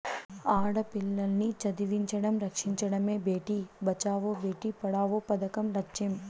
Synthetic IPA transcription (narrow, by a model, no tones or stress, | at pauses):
aːɽɐpilːɐlnit͡ʃɐd̪iʋiɲt͡ʃɐɽɐmɾɐkʂiɲt͡ʃɐɽɐme̞ːbʱeːʈiːbɐt͡ʃaːʋoːbeːʈiːpɐɽaːʋoːpɐd̪ɐkɐmlɐt͡ʃem